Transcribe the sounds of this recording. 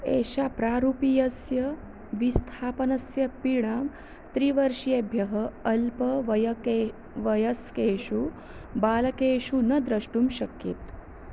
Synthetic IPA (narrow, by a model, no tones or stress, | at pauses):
ḛːɕapɾaːɾupijɐsjɐ | ʋist̪ʰaːpɐnɐsjɐpiɽ̃aːm | t̪ɾiʋɐɾʂijebʱjɐɦəːlpɐʋɐjɐke | ʋɐjɐskeːɕu | baːlɐkeːɕunɐd̪ɾɐʂʈuːmɕɐkjet̪